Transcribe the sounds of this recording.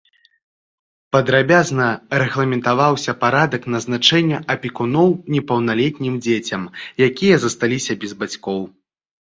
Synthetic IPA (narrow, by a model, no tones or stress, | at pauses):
pɐd̪ɾabʲaznɐrɛɣlˠɐmʲɛnt̪avawsʲɐpaɾad̪ɐknɐznat͡ʂɛnʲːɐʔɐpʲikunɔwnʲɛpɐwnalʲɛt̪ʲnʲimd͡zʲet͡sʲɐmjakʲijɐzɐst̪alʲisʲɐbʲɛzbat͡sʲkɔw